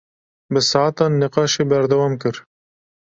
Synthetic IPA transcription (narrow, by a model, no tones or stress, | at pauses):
bɨsɑat̪ɑːnːɪqɑːʃeːbæɾd̪æwɑːmk̬ɨɾ